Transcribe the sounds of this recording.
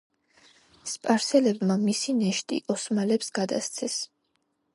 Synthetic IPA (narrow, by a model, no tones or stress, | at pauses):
spʼaɾsɛlɛbmamisinɛʃt̪ʼḭʔɔsmalɛpsɡad̪a̰st̪sʰɛs